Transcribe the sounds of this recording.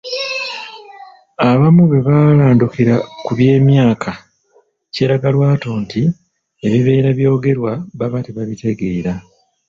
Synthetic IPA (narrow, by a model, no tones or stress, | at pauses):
aβamuβe̞βalaːndukiɾakuβje̞ːmjaːkʰa | ce̞ːɾaɡalwaːto̞ːnti | e̞βiβe̞ːɾaβjo̞ːɡe̞ɾwaβaβateβaβite̞ɡe̞ːɾa